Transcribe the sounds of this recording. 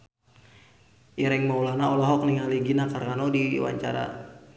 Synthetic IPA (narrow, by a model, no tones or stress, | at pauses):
iɾɛŋmaulanaɔlɔɦɔk̚niŋaliɡinakarkanɔdiwa̰ɲt͡ʃa̰ɾa̰